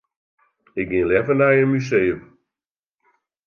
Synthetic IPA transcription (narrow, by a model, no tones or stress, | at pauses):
ɪk̚ɡɪlɛvənajəmyseːəm